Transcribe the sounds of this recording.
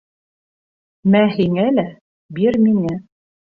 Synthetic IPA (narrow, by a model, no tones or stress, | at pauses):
mæɦiŋælæ | biɾmiŋæ